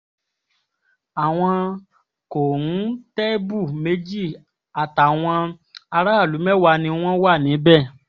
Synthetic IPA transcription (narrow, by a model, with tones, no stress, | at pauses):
a˨w̃ɔ̃˧ | ko˨nu˨˦tɛ˦bu˦˨me˧˦d͡ʒi˦˨ | a˨ta˨w̃ɔ̃˧ | a˧ɾa˦a˦˨lu˨˦mɛ˦wa˧nĩ˧w̃ɔ̃˦wa˦˨nĩ˨˦bɛ˦˨